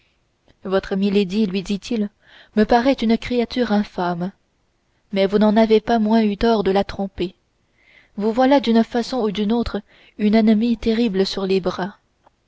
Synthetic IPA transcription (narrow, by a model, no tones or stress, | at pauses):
vɔt̪χəmiled̪ilɥid̪it̪ʰil | məpaʁɛt̪ynkχeat̪yːʁɛ̃fam | mɛvunɑ̃navepamwɛ̃yt̪ɔʁd̪əlat̪χɔ̃pe | vuvwalad̪ynfasɔ̃ud̪ynot̪χə | ynɛnəmit̪eʁibləsyʁlebʁa